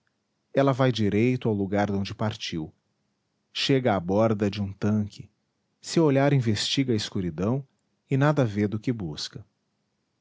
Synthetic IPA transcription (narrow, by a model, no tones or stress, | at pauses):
ɛlɐvajd͡ʒiɾejt̪ʊawluɡaɾd̪õnd͡ʒɪpaɾt͡ʃiw | ʃeɡɐːbɔɾd̪ɐd͡ʒɪũt̪ɐ̃kʰɪ | sewoʎaɾĩvest͡ʃiɡɐɐiskuɾid̪ɐ̃w̃ | ɪnad̪ɐved̪ʊkɪbuskɐ